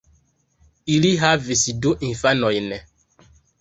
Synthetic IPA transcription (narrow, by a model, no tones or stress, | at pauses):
iliɦavesidoʔĩfanɔ̃inɛ